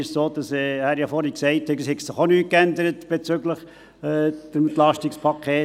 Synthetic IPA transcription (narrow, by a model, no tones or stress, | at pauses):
ɪʃsoːd̥ɑsɛːhæɾjɑfɔɾəksɛɪthɛɡəshɛɡsɪχonyːt̚kændəɾətb̥et͡søɡləχ | ɛːd̥əmnt̪lɑʃtikspʰɑkʰeː